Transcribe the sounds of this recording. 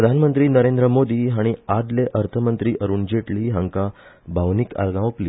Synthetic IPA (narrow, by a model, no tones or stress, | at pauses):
ɾəd̪ʱanmənt̪ɾiːnəɾend̪ɾəmod̪iːɦaɽ̃iad̪leʔəɾt̪ʰəmənt̪ɾiːʔəɾuːnd͡ʑeʈliːɦãŋka | bʱaʋnika̰lɡãʋopliː